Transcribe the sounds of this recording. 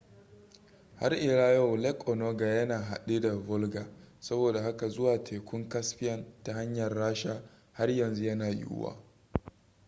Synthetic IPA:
ha˦rʔɪ˨ɽaː˦ja˦wlɛ˦kʼʔɔ˨noː˦ɡa˨jɐ˦naː˨ɦa̰˨ɗi˦da˨vʊ˦lɡaː˨sɐ˦boː˨da˨ha˦ka˨zʊ˦waː˨tʰeː˨kʷʊ˦ŋkɐ˦sɸɪ˦jɐ˦nta˨ha˦ɲjɐ˨rːaː˦ʃa˦ | ha˦rjɐ˨nzu˦jɐ˦naː˨jḭ˦ʔʊ̰˦wa̰ː˦

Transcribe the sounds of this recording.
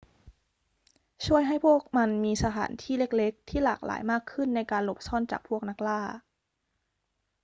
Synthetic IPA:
t͡ɕʰu˥˩əjɦa˥˩jpʰu˥˩ək̚ma˧nmiː˧sa˧t̪ʰa̰ː˩˦nt̪ʰiː˥˩le˥˩k̚le˦˥k̚t̪ʰiː˥˩laː˨˩k̚lʔa̰ː˩˦jmaː˥˩kʰːɯ˥˩nːa˧jkaː˧nlo˨˩p̚sɔ˥˩˨nt͡ɕa̰ː˨˩k̚pʰu˥˩ək̚na˦˥k̚laː˥˩

